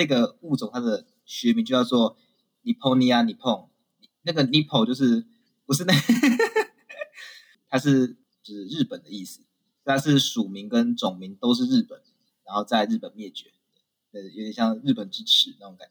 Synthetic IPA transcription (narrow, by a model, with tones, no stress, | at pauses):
ə˥˧˩ɡə˨u˥˩t͡sŋt̪ʰa˥d̪ə˨ | ɕɥɛ˧˥mi˧˥ŋt͡ɕjo˥˧ʊjɑ˥˧ʊt͡swɔ˥˩ | ni˨˩pʰo˥ni˨˧a˧ni˨˩pʰɔ˥˨˩ŋ | ni˨˩na˥˩ɡə˨˩ni˧˥pʰo˨˩ʊt͡ɕjo˥˧ʊʂ̬ɻ̩˥˩ | pu˧˦ʂ̬ɻ̩˥˧na˥˧ | t̪ʰa˥ʂɻ̩˥˧ | t͡ɕu˥˩ʂ̩˥˧ɻ̩˥˩pə˨˩nd̪ə˩˦i˥˩s̩˨˩ | t̪ʰa˥ʂɻ̩˥˩ʂu˨˩mi˨˦ŋkə˦˥nt͡sʊ˨˩ŋmi˨˧˦ŋt̪o˥ʊʂ̬ɻ̩˥˧ɻɻ̩˥˩pə˨˩n | ɻa˧˥nxo˥˧ʊt͡sa˥˧ɪɻ̩˥˩pə˨˩nmjɛ˥˩t͡ɕɥɛ˧˥t̪e˥˩ | na˥˩jo˧˥t̪jɛ˨˩nɕjɑ˥˧ŋɻ̩˥˩pə˨˩nʈ͡ʂɻ̩˥ʈ͡ʂʰɻ̩˧˦na˥˩ʈ͡ʂo˧˦ŋka˨˩n˦